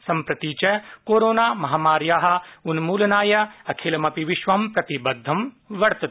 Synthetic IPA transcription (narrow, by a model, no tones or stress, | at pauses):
sɐmpɾɐt̪iːt͡ʃɐkoːɾoːnaːmɐɦaːmaːɾjaːɦɐ̆unmuːlɐnaːjɐɐkʰeːlmɐpiʋɪʃʋɐmpɾɐt̪ibɐd̪ʱːɐm | ʋɐɾt̪ɐt̪